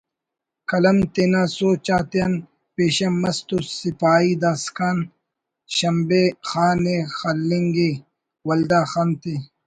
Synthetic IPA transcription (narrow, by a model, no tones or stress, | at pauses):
kɐlɐmt̪enasoːt͡ɕaːt̪eɐn | peːɕɐmːɐst̪usipaːiːd̪askaːn | ɕɐmbexaːnexɐlːiŋɡe | wɐld̪aːxant̪e